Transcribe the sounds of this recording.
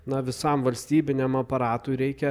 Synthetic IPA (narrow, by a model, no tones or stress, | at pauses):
nɐʋʲɪsɐmʋɐlʲsʲt̪ʲiːbʲɪnʲɛmɐpɐɾɑːt̪ʊɪɾʲɛɪkʲɛ